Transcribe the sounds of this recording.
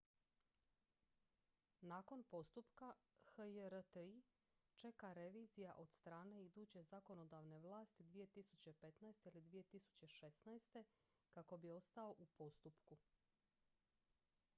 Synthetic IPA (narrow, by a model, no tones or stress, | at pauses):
naːko̞npo̞st̪upkaxəjəɾət̪əi | t͡ʃe̞kaɾeʋiːzijaʔo̞d̪̥st̪ɾaːne̞id̪uːt͡ɕe̞zako̞no̞d̪aʋne̞ʋlˠaːst̪id̪ʋije̞t̪isut͡ɕe̞pe̞t̪naest̪e̞ilid̪ʋije̞t̪isu̥t͡ɕe̞ʃesnaest̪e̞ | kako̞bio̞st̪ao̞ʔupo̞st̪upku